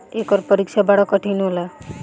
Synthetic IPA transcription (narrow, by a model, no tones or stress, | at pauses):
ekɔɾpʌɾikt͡ʃʰabaɽɔkɔʈʰinɦola